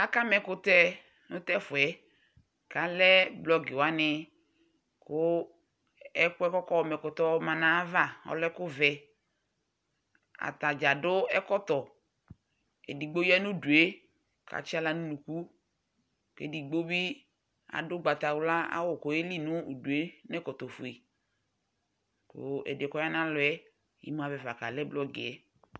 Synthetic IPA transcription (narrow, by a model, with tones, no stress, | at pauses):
a˦ka˦mɛ˨kʊ˦tɛ˦ | nʊ˦tɛ˦fʊ˨ɛ˦ | ka˨lɛ˦blɔ˦ɡɪ˨wa˦nɪ˦ | kʊ˦ | ɛ˦kʊ˦ɛ˦kɔ˦kɔ˦ɔ˨mɛ˨kʊ˨t̪ɔ˦mã˨nã˨a˦va˦˨ɔ̰˨lɛ˦kʊ˦vɛ˨ | a̰˨t̪a˨d͡ʒa˨dʊ˦ɛ˦kɔ˦t̪ɔ˨ | ɛ̰˨di˨ɡ͡bo˦jɛ˦nʊ˦du˨e˦ | kʰa̰˨t͡ʃɪ˦a˦la˨nʊ˦nu˨ku˦ | kḛ˨di˨ɡ͡bo˦bɪ˦ | a̰˨dʊ˦ɡ͡ba˨t̪a˨wʊ˦la˦a̰˦wʊ˨kɔ˨e˦li˦nʊ˦u˨du˨e˦nɛ˦kɔ˨t̪ɔ˨fu˨e˨ | kʊ̰˨ɛ̰˨dɛ˨kɔ˦ja˦n˦ã˦lʊ˨ɛ˦ | jḭ˦mu˦a˨vɛ˨va˨ka˨lɛ˦blɔ˦ɡɪ˨ɛ˨